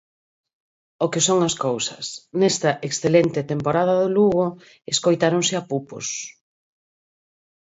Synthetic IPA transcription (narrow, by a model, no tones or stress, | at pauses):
okɪsoŋɐskowsɐsnɛst̪ɐʔeksθelent̪ɪt̪empoɾaðɐðoluɣo | eskojt̪aɾoŋsɪapupo̰s